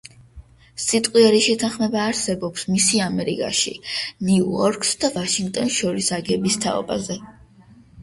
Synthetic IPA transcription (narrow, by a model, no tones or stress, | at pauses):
sit̪ʼqʼwiɛɾiʃɛt̪ʰaχmɛbaːɾsɛbɔpsmisiamɛɾḭkʼa̰ʃḭniuɔɾkʰʼsd̪avaʃiŋɡ̚t̪ʼɔnʃɔɾisaɡɛbist̪ʰa̰ɔ̰ba̰zɛ